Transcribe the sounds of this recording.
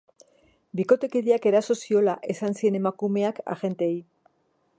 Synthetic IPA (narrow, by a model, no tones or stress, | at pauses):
biko̞t̪e̞kiðiake̞ɾaso̞sio̞laʔe̞sansie̞ne̞makume̞aka̰ɣe̞nt̪ej